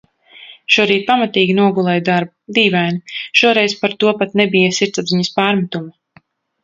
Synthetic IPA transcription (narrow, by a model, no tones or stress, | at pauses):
ʃuɔɾiːt̪̚pamat̪iːɡʲinuɔɡulˠɛjd̪aɾbud̪iːvæjniʃuɔɾɛjspaɾt̪uɔpat̪nɛbijasiɾt̪sabziɲɐspaːɾmat̪uma